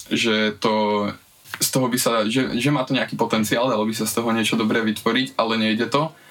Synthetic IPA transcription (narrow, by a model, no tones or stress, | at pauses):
ʒɛt̪ɔ | st̪ɔɦɔbisaʒɛʒɛmaːt̪ɔɲɛakiːpɔt̪ɛnt͡siaːld̪alɔbisast̪ɔɦɔɲɪɛt͡ʃɔd̪ɔbɾɛːʋit̪ʋɔɾicalɛɲɛjɟɛt̪ɔ